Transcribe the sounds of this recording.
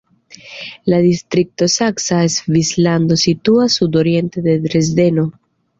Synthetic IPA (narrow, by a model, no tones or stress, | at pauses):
lad̪ist̪ɾik̚to̞saksaesvislando̞situasudo̞ɾie̞nte̞de̞dɾe̞zde̞no